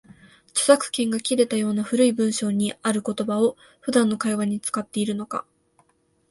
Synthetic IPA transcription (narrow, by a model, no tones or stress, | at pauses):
t͡ɕo̥sakɯ̟̥kẽ̞ŋɡakʲiɾe̞t̪ajo̞ːnaɸɯ̟ɾɯibɯ̟̃ɰ̃ɕo̞ːɲ̟iaɾɯ̟ko̞t̪o̞bao̞ | ɸɯ̟d̪ãnːo̞kaiβaɲ̟it͡sɨ̥kat̪ːe̞iɾɯ̟no̞ka̰